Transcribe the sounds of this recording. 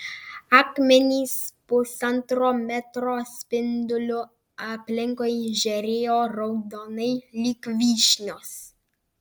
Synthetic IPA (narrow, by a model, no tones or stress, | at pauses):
akmenʲisposant̪ɾɔmɛt̪ɾɔspend̪ulo | aplɛŋkɔiʒeɾeɔɾowd̪ɔnejlikviʃnɔs